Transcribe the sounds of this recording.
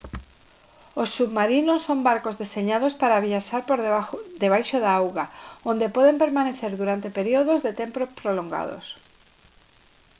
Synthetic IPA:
osːuβmaɾinosːombaɾkozðeseɲaðospaɾaβiaʃaɾpoɾðeβad̪eβajʃoðaawɣaõnd̪epɔðempeɾmaneθeɾðuɾant̪epeɾioð̞ozðet̪empɾopɾoloŋɡa̰ðo̰s

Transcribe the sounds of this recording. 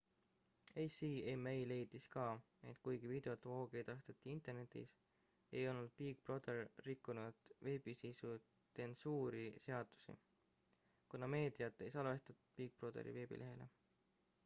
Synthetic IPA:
ejsiːemejle̞jd̪iskɑː | e̞̰t̪ːˑkujɡivid̪̥e̞ot̪ːˑvo̞ːɡ̥e̞jd̪ɑst̪et̪ːˑiint̪e̞rnet̪ːˑḭs | e̞̰jo̞lnːud̪̥̚piːk̚pro̞d̪̥erːikːunud̪̥ve̞ːbisijsu | t̪e̞nsuːɾise̞ɑd̪̥u̥sḭ | kunɑme̞ːd̪̥ijɑt̪ːˑe̞jsɑlve̞st̪ɑt̪ud̪̥̚piːk̚prod̪ḛɾḭve̞ːbḭlʔe̞ɦe̞le̞̰

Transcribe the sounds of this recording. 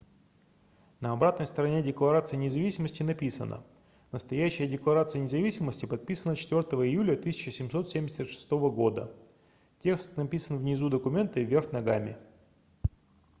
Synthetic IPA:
nəɐbɾat̪nəjst̪əɾɐnʲedʲɪklˠɐɾat̪sɨjənʲɪzɐvʲisʲɪməsʲtʲɪnɐpʲisə̰nə̰ | nəst̪ɐjæɕːɪjədʲɪklˠɐɾat̪sɨjənʲɪzɐvʲisʲɪməsʲtʲɪpɐt̪̚pʲisənət͡ɕɪ̥t̪vʲort̪əvəɪjulʲət̪ɨsʲɪt͡ɕɪsʲɪmso̞t̪sʲemʲdʲɪsʲət̪ʂɨ̥st̪o̞vəɡo̞d̪ə | tʲe̞kst̪nɐpʲisənvnʲɪzud̪əkʊmʲe̞nt̪ɨvʲe̞rxnɐɡamʲɪ

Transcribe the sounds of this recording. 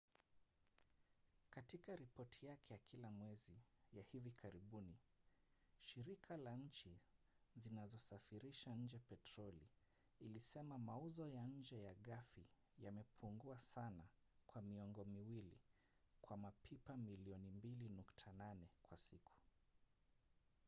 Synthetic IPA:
katikaɾipɔtʰijakʰɛjakʰilamwɛzijahivikʰaɾiɓuni | ʃiɾikʰalaɲ̩t͡ʃi | zinazɔsafiɾiʃaɲ̩d͡ʒɛpɛtɾɔlḭː | lisɛmamauzɔjaɲ̩d͡ʒɛjaɠafi | jamɛpʰuŋɡuasana | kwamiɔŋɡɔmiwilḭ | kwamapʰipamiliɔnimbilinuktʰananɛkwasikʰu̥

